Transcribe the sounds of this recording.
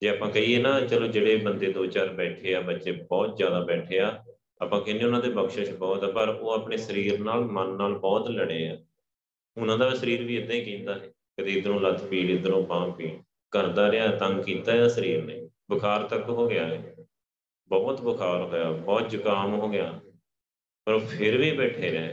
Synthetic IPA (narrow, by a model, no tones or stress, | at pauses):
d͡ʒeːaːpãːkəiːeːnãːt͡ʃəlõːd͡ʒeːɽeːbənd̪eːd̪oːt͡ʃaːɾbɛːʈʰeːaːbətːʃeːbɔːt̪zjaːd̪aːbɛːʈʰeːaː | aːpãːkɪnẽːʊnãːd̪eːbəkʃə̃t͡ʃbɔːt̪ːpəɾoːaːpɳeːsəɾiːɾnaːlmənːaːlbɔːt̪ləɽeːaː | ʊnãːd̪aːsəɾiːɾʋiːɪd̪ãiːkĩːnd̪aːɦɛː | kət̪eːɪd̪ɾõːləd̪piːɖɪd̪ənõːbãːkiː | kəɾd̪aːɾɪaːɛt̪əŋɡkiːt̪aːjaːsəɾiːɾneː | bəkʰaːɾt̪əkɦoːɡɪjaːɦɛː | bɔːt̪bəkʰaːɾɦoːjaːbɔːt̪̚d͡ʒʊkaːmɦoːɡɪjaː | pəɾoːpʰɪɾʋiːbɛːʈʰeːɾɛː